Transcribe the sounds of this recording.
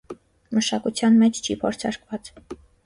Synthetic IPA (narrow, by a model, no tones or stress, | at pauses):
məʃɑkut͡sʰjɑnmɛt͡ʃʰt͡ʃʰipʰɔɾt͡sʰɑ̰ɾkvɑt͡s